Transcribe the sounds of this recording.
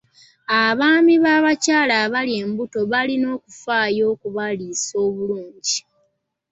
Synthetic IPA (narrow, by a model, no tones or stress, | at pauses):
aβaːmiβaːβacaːlaβalie̞ːmbuto̞βalino̞ːkufaːjo̞ːkuβaliso̞ːβuluːɲɟi